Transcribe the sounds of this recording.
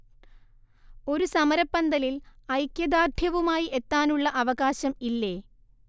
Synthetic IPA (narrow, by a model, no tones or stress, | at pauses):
o̞ɾusɐmɐɾɐpːɐnd̪ɐlilɐjkjɐd̪aːrd̪ʱjɐʋumaːjiʔe̞t̪ːaːnuɭːɐʔɐʋɐɣaːɕɐmilːe̞ː